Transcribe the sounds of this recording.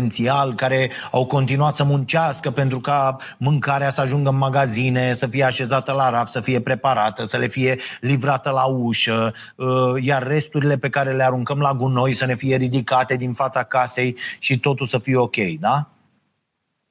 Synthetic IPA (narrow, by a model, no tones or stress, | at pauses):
nt̪sialkaɾe̞awko̞nt̪inuat̪səmunt͡ʃaskəpe̞nt̪ɾuka | mɨŋkaɾeasəaʒuŋɡəɨnmaɡazine̞səfije̞aʃe̞zat̪əlaɾafsəfije̞pɾe̞paɾat̪əsəle̞fije̞livɾat̪əlauʃə | əjarːe̞st̪uɾile̞pe̞kaɾe̞le̞aɾuŋkəmlaɡuno̞jsəne̞fije̞ɾid̪ikat̪e̞d̪infat̪sakase̞jʃit̪o̞t̪ulsəfijeo̞kʲe̞jd̪a